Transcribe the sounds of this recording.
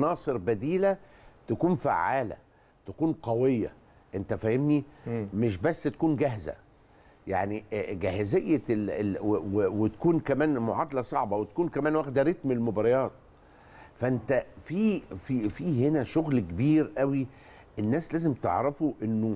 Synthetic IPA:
nɑːsˤɨɾbæd̪iːlæt̪ækuːnfa̰ʕːaːlæ̰ | t̪ækuːnqɑwejːæ̰ | ʔent̪æfæhemnimeʃ̬bæsːt̪æ̥kuːnɡæɦzæ̰ | ja̰ʕniɡæhezejːæwewewet̪æ̥kuːnkæmæːnmoʕɑd̪ɑlɑsˤɑʕbɑwet̪æ̥kuːnkæmæːnwæħd̪æɾet̪melmobɑɾˤɑjɑːt̪̚ | fæʔent̪æfiːfifiːɦenæʃoɣlkebiːɾʔæwi | ʔenːæːslæːzemt̪ḛʕɾˤɑfuʔenːo

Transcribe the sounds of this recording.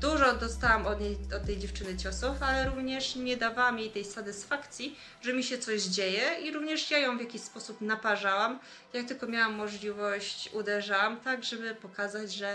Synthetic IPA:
d̪uʐɔd̪ɔst̪awamɔd̪ɲɔt̪̚ːɛjd͡ʑɛft͡ʂɘnɘt͡ɕɔsufalɛɾuvɲɛʂɲɛd̪avawamjejt̪ɛjsat̪ɘsfakt̪sʲji | ʐɛmʲiɕɛt̪sɔʑd͡ʑejɛiɾuvɲɛʂjajɔ̃w̃vʲjakʲiɕspɔsupnapaʐawam | jak̚t̪ɘlkɔmʲjawamːɔʐlʲivɔɕt͡ɕud̪ɛʐawamt̪aɡʐɛbɘpɔkazad͡ʑʐɛ

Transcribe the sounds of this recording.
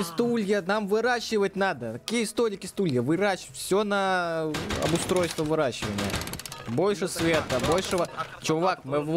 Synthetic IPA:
ɪst̪ulʲjənamvɨɾaɕːɪvət̚ʲnad̪əkɐ̥kʲijəɪst̪oɾʲɪkʲɪst̪ulʲjəvɨɾaɕːɪfsʲonə | ɐ̰bʊst̪ɾo̞jst̪vəvɨɾaɕːɪvənʲɪ̰jə̰bo̞lʲʂɨsvʲet̪əbo̞lʲʂɨvət͡ɕʊvakmɨ

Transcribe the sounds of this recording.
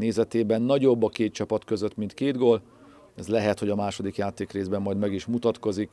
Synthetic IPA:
neːzɛt̪eːbɛnːɒɟo̞bːɒkeːt̪̚t͡ʃɒpɒt̪køzøt̪mint̪keːd̪ɡoːl | ɛzlɛɦɛt̪ho̞ɟɒmaːʃo̞d̪ikjaːt̪eːkreːzbɛmːɒjd̪mɛɡiʃmut̪ɒt̪ko̞zik

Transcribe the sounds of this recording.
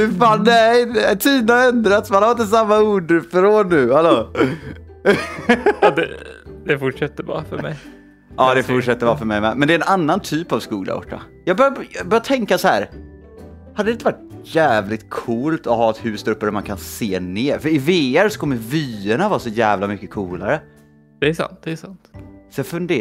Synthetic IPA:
faːnːɛjt̪ʰiːd̪naɛnd̪ɾat̪smanhaɾɪnt̪əs̬amːauːɖfəɾonːʉ̟ːhalɔ | d̪ɛ̰d̪ɛfʊʈʂɛt̪ːəɾbɑ̰ːɾfœɾmɛj | ʔɑːd̪ɛfʊʂɛt̪ːəɾbɑːɾafœmɛjmɛmɛnd̪ɛɛnanːant̪ʰyːpavskuːɡla̰ɔ̰ʈːa̰ | jɑːɡbøːjbœːjat̪ʰɛŋkasɔhæ̰ːɾ | had̪ːɾɪnt̪əvaʈ̚ːjæːvlɪt̪̚kʰuːlt̪ɔɦɑːɛt̪hʉ̟ːsd̪ɾɵpːəd̪æmankʰanseːneːɾfœɾɪveːæɾsɔ̥kʰɔmːəɾvyːəɳavɑːsɔjæːvlamʏkːəkʰuːla̰ɾə | d̪̥ɛæsa̰nt̪̚d̪ɛsant̪sɔjɑɡfɵnd̪eː

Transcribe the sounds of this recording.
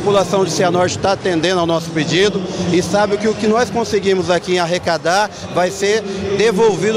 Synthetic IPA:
pulasɐ̃w̃d͡ʒɪsiɐnɔɾd͡ʒɪt̪aːt̪ẽnd̪ẽnd̪ʊawnɔsʊ̥ped͡ʒid̪ʊɪsabɪʊkɪʊkɪnɔskõsɪɡĩmʊzakiẽaɦekad̪aɾ | vajseɾd̪evowvid̪

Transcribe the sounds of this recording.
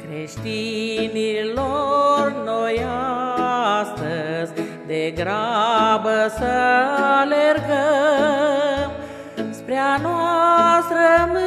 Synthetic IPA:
kɾeʂt̪iniloɾnoja | st̪əsd̪eɡɾabəsə | leɾkə | spɾjanasɾɐn

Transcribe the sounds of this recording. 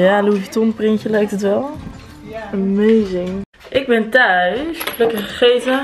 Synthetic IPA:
jaluvitonprɪncəlɛjk̚tətʋɛlˠ | əmeːzɪŋ | ʔɪɡ̚bɪntœɥskləkəəχeːtə

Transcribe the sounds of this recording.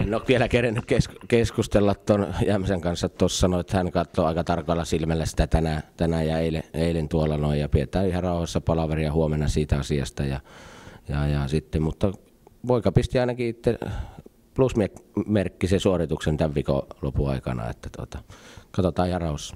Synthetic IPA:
enːoːkʋielækerenːykkeskkeskust̪elːɑt̪t̪onjæmːiseŋkɑnsːɑt̪t̪ossɑnoet̪ːæhænkɑt̪ːoːɑˑikɑt̪ɑrkɑːlːɑsilmælːæsi̥t̪æt̪ænæt̪ænæjɑeˑileeˑilent̪uolːɑnoˑijjɑpiet̪ˑæːnihɑrɑˑuhɑsːɑpɑlɑʋeriɑhuomenːɑsiːt̪æɑsiɑ̰st̪ɑjɑ̰jɑjɑsit̪ːemmut̪ːɑ | poˑikɑpist̪iɑˑinɑkiit̪ːe | plusmiekmerkːisesuorit̪uksent̪æʋʋiko̰lopuɑ̰ˑikɑ̰nɑ̰ḛt̪ːæt̪uo̰t̪ɑkɑt̪ot̪ɑːihɑrɑˑuhɑsːɑ̥

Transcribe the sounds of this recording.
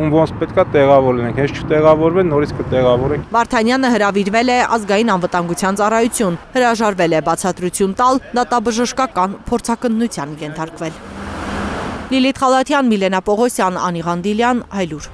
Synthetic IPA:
umvɔnt͡sʰpɛt̪̚kʰɑt̪ɛʁɑvɔɾɛnɛŋkhɛnsʰt͡ʃʰə̥t̪ɛʁɑvɔɾvɛnnːɔɾit͡sʰkət̪ɛʁɑvɔɾɛŋkvɑɾt̪ʰɑnjɑnəhəɾɑviɾvɛlɛɑzɡɑjinɑnvət̪ɑŋɡut͡sʰjɑnt͡sɑrɑjut͡sʰjunhəɾɑʒɑɾvɛlɛbɑt͡sʰɑd̪ɾut͡sʰjunt̪ɑld̪ɑt̪ɑbəʒəʃkɑkɑnpʰɔɾt͡sʰɑkənd̪nut͡sʰjɑnjɛnt̪ʰɑɾkvɛl | lilit̪χɑlɑt̪ʰjɑnmilɛnɑpɔʁɔsjɑnɑ̰niʁɑnd̪iljɑnɑjluɾ

